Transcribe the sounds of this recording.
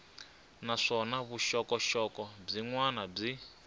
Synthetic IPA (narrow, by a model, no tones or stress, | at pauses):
naʂɔnaβuʃɔkɔʃɔkɔb͡ʐiŋwanab͡ʐi